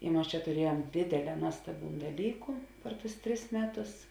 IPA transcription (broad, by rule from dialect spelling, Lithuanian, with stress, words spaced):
ɪ ˈmɐs t͡ʃʲɛ tʊˈrʲiɛjuɔm ˈdʲeːdʲeːˌlʲɛː ˈnuɔstɐˌbʲuːn dɐˈlʲiːkʊ pʲɛr tʊs ˈtʲrʲɪs ˈmʲæːˌtʊs